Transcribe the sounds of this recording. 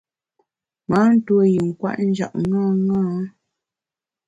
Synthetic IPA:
ma˨˦n̩˦two˦ji˨ŋ̩˨kwa̰˦˨ʔn̩˦d͡ʒa̰˨ʔŋa˦˨ŋaː˦

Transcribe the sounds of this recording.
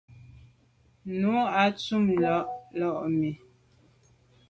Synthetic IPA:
nu˨˦a˨t͡su˦˨mlɔ˦ʔlɔ˦ʔmi˨

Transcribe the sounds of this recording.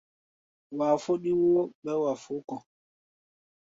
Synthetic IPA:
wa˨fo˦ɗi˦wo˦ɓɛ˦wa˨fu˦kɔ˨

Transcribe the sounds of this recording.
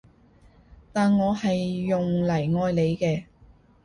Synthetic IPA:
t̪aː˨nŋɔː˨˧hɐ˨jːʊ˨ŋlɐ˨˩jŋɔː˧jle˨˧jkɛː˧

